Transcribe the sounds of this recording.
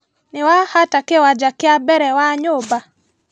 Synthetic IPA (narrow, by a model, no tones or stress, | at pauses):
nɪwahatakewad͡ʒakɪabɛɾɛwaɲʊba